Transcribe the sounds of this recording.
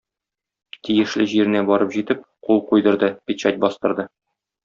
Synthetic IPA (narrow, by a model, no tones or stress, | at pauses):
t̪ijɘ̆ʃlɘʑiɾɘ̆næbɒɾɤpʑit̪ɘp̚qulˠqujd̪ɤ̆ɾd̪ɤpʲit͡ɕæt̚ʲbɒst̪ɤ̆ɾd̪ɤ